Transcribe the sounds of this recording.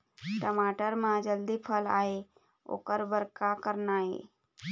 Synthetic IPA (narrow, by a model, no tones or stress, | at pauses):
ʈəmaːʈəɾmãd͡ʒəld̪ipʰəlaːɦe | o̰ːkəɾbəɾkakəɾnaːɦḛː